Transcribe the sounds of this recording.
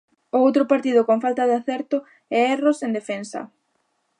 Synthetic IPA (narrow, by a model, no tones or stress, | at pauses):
oowt̪ɾʊpaɾt̪ið̞ʊkoŋfalt̪ɐðeaθɛɾt̪ʊ | ɛɛrosend̪efensɐ̰